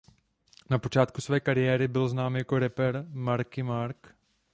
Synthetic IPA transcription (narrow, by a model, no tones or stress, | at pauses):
napot͡ʃaːt̪kusvɛːkaɾɪjɛːɾɪbɪlznaːmjakoɾɛpɛɾmaɾkɪmaɾk